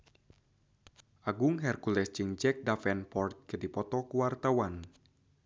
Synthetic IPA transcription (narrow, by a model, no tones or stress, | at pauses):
ʔaɡʊŋɦɛrkulɛsd͡ʒɨŋd͡ʒɛk̚dafɛnpɔrt̪̚kədipɔt̪ɔkuwart̪awan